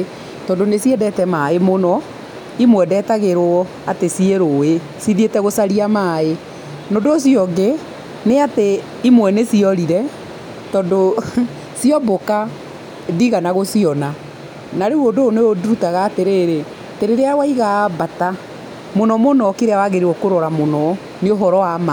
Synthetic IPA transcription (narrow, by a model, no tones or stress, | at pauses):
tɔndonesiɛdɛtɛmaemonɔ | imwɛdɛtaɣeɾwɔ | atesieɾoːe | siðietɛɣosaɾiamae | nondoːsiɔɡe | neate | imwɛnesiɔɾiɾɛ | tɔndo | siɔboka | diɣanaɣosiɔna | naɾeuodoːneodɾutaɣaːteɾeːɾe | teɾeɾeawaiɣaːbata | monɔmonɔkeɾeawaɣeɾeɔkoɾɔɾamonɔ | neoɦɔɾɔwama